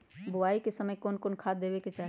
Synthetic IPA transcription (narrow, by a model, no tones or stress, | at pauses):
bʊaikesəməjkoːnkoːnkʰad̪ebeket͡ʃaɦ